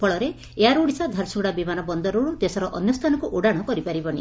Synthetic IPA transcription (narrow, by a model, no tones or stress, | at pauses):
pɔɭɔɾe | eaɾuɽisad̪ʱaɾsuɽabimanɔbɔnd̪ɔɾoɽud̪esɔɾɔʔɔnjɔst̪ʰanɔkuʔoɽaɽ̃ɔkɔɾipaɾibɔɽ̃ḭ